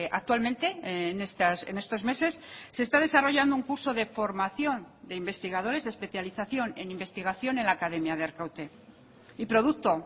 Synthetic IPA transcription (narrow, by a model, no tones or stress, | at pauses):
ʔa̰k̚t̪walmẽnt̪e̞nest̪asene̞st̪o̞zme̞se̞sːest̪að̞e̞saro̞ʝand̪ouŋkuɾso̞ðe̞fo̞ɾmaθjo̞nd̪e̞imbe̞st̪iɣ̞aðo̞ɾe̞zðespe̞θjaliθaθjo̞ne̞nimbe̞st̪iɣaθjo̞ne̞nlakaðe̞mjaðeaɾkawt̪e̞ | ipɾo̞ðukt̪o̞